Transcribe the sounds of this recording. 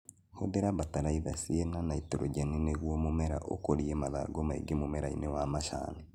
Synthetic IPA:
hoðeɾaβataɾaiðasienanaitoɾoɟanineɣwomumeɾa̰ʔo̰koɾiemaða̰ɡomaḭɡemumeɾaḭnewamaʃa̰ːne

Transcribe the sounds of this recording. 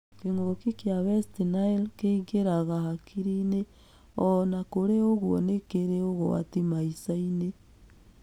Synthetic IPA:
keŋokikjaβɛstinailkeiɣeɾaɣaɦakʰiɾine | ɔnakoɾeoɣwɔnekeɾeoɣoa̰timaisaine

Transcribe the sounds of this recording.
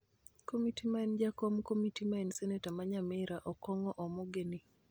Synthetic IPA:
komitimaɛnd͡ʒakɔmkomitimaɛnsɛnetamaɲamɛɾaʔɔkɔŋɔʔɔmɔɡeni

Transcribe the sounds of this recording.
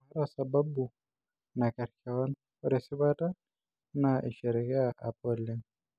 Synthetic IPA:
aɾasababu | nakaɾi̥kawan | ɔɾɛsiβata | naʔiʃɛɾɛkɛaʔapɔlɛ

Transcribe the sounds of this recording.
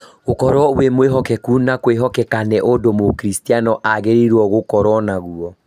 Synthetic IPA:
ɣokɔɾwɔwemweɦɔkɛkunakweɦɔkɛkanɛʔodomokɾistianɔʔaɣeɾeɾwɔɣokɔɾɔnaɣuɔ

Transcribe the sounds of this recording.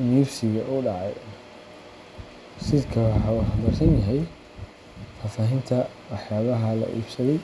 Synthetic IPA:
ɪniːbsɪɣɐʔʊɖɑʕɑj | sɪd̪kʰɐwɑħɑwʊħbɐrsɐnjɐɦɛj | faːfaːɦɪnt̪ʰɐ | wɑħjaːβɐɦɐlɐ̰ʔḭːb̥sɐðɛj

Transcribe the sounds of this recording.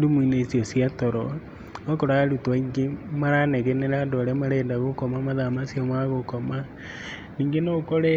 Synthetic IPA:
ɾumwinesiosiatoɾɔ | okoɾaɾutwaiŋɡemaɾanɛɣeneɾandoaɾemaɾendaɣokɔmamaðamasjamaɣokɔma | niːŋɡenokoɾe

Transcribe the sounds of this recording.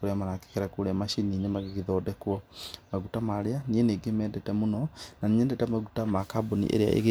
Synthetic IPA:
koɾeamanake̥kɛɾakoɾeamaʃininemaɣeɣeðɔːdɛkwɔmaɣutamaɾeanieneːɡemɛːndɛtɛmonɔnaniɲɛːndɛtɛmaɣutamakabonḭʔḛɾea̰ʔḛɣe

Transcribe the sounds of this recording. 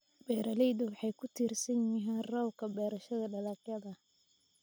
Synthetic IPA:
b̥ɛːɾɐlɛjd̪ʊwɑħɑjkʰʊt̪ʰiːrsɐnjɪɦɛːnrɔwkʰɐbɛːɾɐʃɐðɐɖɐlɑːqjɐðɐ

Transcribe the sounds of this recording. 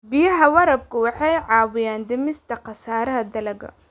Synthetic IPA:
bɪjɐɦɐwɐɾɐb̚kʰʊwɑħɑjʕɑːwɪjaːnd̪ɪmɪst̪ʰɐqɑsaːɾɐɦɐd̪ɐlɐɣɐ̰

